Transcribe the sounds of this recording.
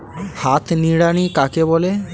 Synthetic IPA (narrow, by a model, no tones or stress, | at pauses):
hat̪ʰniɽaɽ̃ikakebole